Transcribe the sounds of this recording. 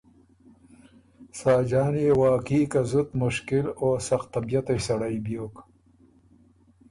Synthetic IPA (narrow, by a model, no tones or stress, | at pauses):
saːd͡ʒaːneːwaːkiːkɐzut̪mʊʃkɪloːsɐxt̪ɐbijɐt̪ejsɐɽajbjoːk